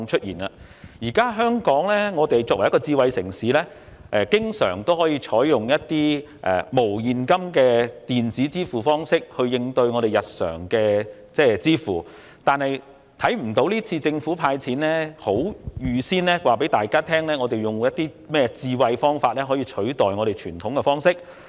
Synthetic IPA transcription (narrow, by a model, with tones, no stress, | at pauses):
t͡ʃʰɵ˥t̚jḭː˨˩na˧ | jiː˨˩kaː˥ɦœː˥ŋkɔː˨˥ŋlɛː˥ŋɔː˨˧t̪e˨jt͡sɔː˧k̚ɐ˨˩jɐ˥kɔ˧t͡siː˧wɐ˧jsɪ̰˨˩ŋsiː˨˥lɛː˥ | ʔɛ˨˧kɪ˥ŋsœ̰ː˨˩ŋt̪o˥whɔː˨˥jiː˧t͡ʃʰɔː˨˥jjʊ˨˩ŋjɐ˥t̚t̪ːiː˥ | ʔɛ̰˨˩mo˨˩wjiː˨nkɐ˥mkɛː˧t̪iː˨˩nt͡siː˨˥t͡siː˥fuː˨˩fɔː˥ŋsɪ˥k̚hɵ˧ɥjɪ˧ŋt̪ɵ˧ɥŋɔː˨˧ɾe˨˩jɐ˨t̚sœ̰ː˨˩ŋkɛː˧ | t͡sɛː˥t͡siː˥fuː˨˩ | t̪aː˨nhɐ˨j | t̪ʰɐ˨˥jm̩˨˩t̪o˨˥wliː˥t͡sʰiː˧t͡sɪ˧ŋfuː˨˥pʰaː˧jt͡sʰiː˨˥nlɛː˥ho˨˥wjyː˨˧siː˥nlɛː˥waː˨p̬e˨˥jt̪aː˨jkaː˥t̪ʰɛː˥ŋlɛː˥ŋɔː˨˧t̪e˨jʊ˨ŋwjɐ˥t̪̚ːiː˥ | mɛː˥t͡siː˧wɐ˧jfɔː˥ŋfaː˧t̚lɛː˥ɦɔː˨˥jiː˧t͡ʃʰɵ˨˥t̪ɔː˨˩jŋɔ˨˧ɾe˨jt͡ʃʰyː˨˩nt̪ʰʊ˨˥ŋkɛ˧fɔː˥ŋsɪ˥k̚